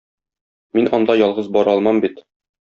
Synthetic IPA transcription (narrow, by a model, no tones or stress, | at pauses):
minɒnd̪ɑjɒlˠʁɤzbɒɾɒlˠmɑmbit̪